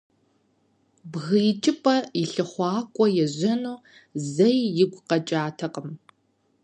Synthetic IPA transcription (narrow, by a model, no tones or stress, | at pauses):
bɣɨːt͡ʃʼɪpʼɐjɪɬɨχʷɑːkʷʼɔjɛʑɐnuː | zɐjːɪɡʷqɐt͡ʃʼaːtʰɐqəm